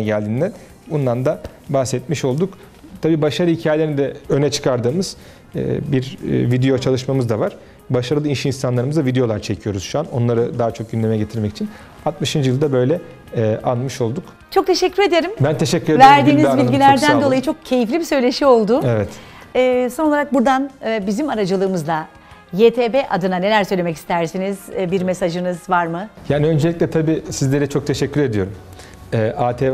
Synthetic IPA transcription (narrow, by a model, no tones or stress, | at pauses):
ɟælʲd̪iːnd̪æn | bunːand̪a | baxsɛt̪̚miʃo̞lˠd̪uk | t̪ʰabiːbaʃaɾɯhicʰaːjelʲeɾinid̪ɛø̞nɛt͡ʃʰɯ̥kʰaɾd̪ɯːmɯz̥ | ɛ̰ːbiɾ̰vid̪ejo̞t͡ʃʰalˠɯʃmamɯzd̪avaɾ̥ | baʃaɾɯlˠɯinʃiinsanlˠaɾɯmɯzd̪avid̪ejo̞lˠaɾt͡ʃʰe̞cʰijo̞ɾuz̥ʃuano̞nlˠaɾɯd̪aːat͡ʃʰo̞k̚ɟynlʲemɛɟe̞t̪ʰiɾmɛci̥t͡ʃʰin | at̪mɯʃɯnd͡ʒɯjɯlˠd̪abø̞jlʲɛ | ʔanmɯʃo̞lˠd̪uk | t͡ʃʰo̞k̚t̪ʰe̞ʃɛcʰːyɾe̞d̪e̞ɾimbænt̪ʰeʃɛcʰːyɾevæɾd̪iːnizbilʲɟilʲæɾd̪ænd̪o̞lˠajɯt͡ʃʰo̞k̚cʰe̞jiflʲibisø̞jlʲe̞ʃio̞lˠd̪ʊevɛt̪ɛːsonolˠaɾak̚buɾd̪anɯbizimaɾad͡ʒɯlˠɯːmɯzd̪a | jeːt̪ʰeːbeʔad̪ɯnane̞lʲæɾsø̞jlʲe̞mɛci̥st̪ʰæɾsiniz̥biɾmesaʒɯnɯzvaɾmɯjaːniø̞nd͡ʒelʲiclʲɛt̪ʰabiːsizlʲe̞ɾɛt͡ʃʰo̞k̚t̪ʰeʃɛcʰːyɾe̞d̪ijo̞ɾum | ɛʔaːt̪ʰeː